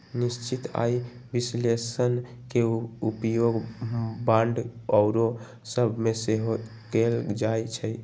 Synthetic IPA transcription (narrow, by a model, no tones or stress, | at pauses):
nist͡ʃit̪a̰i | bislesən | keupjoɡbãɳɖɔʊɾo | səbʱmeseɦo | ɡeld͡ʒajt͡ʃʰəj